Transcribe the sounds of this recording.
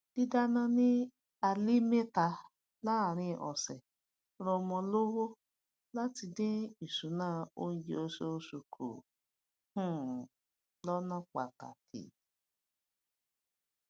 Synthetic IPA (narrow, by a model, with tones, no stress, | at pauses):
d̥i˦da˦nã˧nĩ˦ | a˧li˦me˦ta˧ | la˦˨ɾ̃ĩ˧˨ʔɔ̰˨sɛ˨ | ɾɔ˧mɔ̃˧lo˦wo˦ | la˦ti˧dẽ˦i˨sũ˨˦nãː˦o˦n̩˦d͡ʒe˧o˧so˦o˧su˧kʰo̰˨ | hũ˦˨ | lɔ˦nã˦k͡pa˨ta̰˨kʰḭ˨